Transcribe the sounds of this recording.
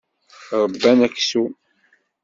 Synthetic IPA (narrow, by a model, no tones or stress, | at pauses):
ɾˤəbːænækːsu